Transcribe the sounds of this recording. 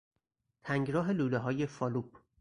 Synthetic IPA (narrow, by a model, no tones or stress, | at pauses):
t̪ʰæŋɡɾɒːɦe̞luːleɦɒːje̞fɒːluːb